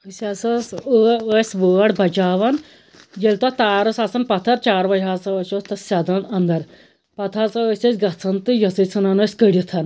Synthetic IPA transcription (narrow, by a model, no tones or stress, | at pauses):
əsʲɐsɐsəəsʲʋəːɽbʱɐt͡ʃaːʋɐn | jelt̪ot̪aːɾɐsasɐnpɐt̪ʰɐɾt͡ʃaːɾʋɐjɦaːt͡sɐəsʲost̪ɐsʲɐd̪ɐnɐnd̪ɐɾ | pɐt̪ʰaːt͡sɐəsʲɐsʲɡɐt͡sʰɐnt̪ɨjɐt͡sət͡sʰɐnanəːsʲkəɽʲit̪ʰɐn